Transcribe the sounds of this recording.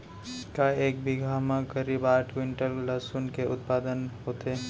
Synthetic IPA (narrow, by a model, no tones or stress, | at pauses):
kaeːk̚bʱiɡʱaːmãkəɾiːbaːʈwɪ̃ɳʈəllɐsuːnkeʊt̪̚paːd̪ənɦoːt̪eː